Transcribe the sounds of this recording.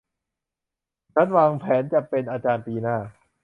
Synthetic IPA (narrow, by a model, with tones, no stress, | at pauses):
t͡ɕʰa˦˥nwaː˧ŋpʰɛː˩˦nt͡ɕa˨˩pe˧nʔaː˧t͡ɕaː˧npiː˧naː˥˩